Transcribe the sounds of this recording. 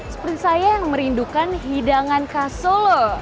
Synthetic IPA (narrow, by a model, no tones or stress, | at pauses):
sə̥pɾinsajajaŋməɾindukanɦidaŋankasɔlɔ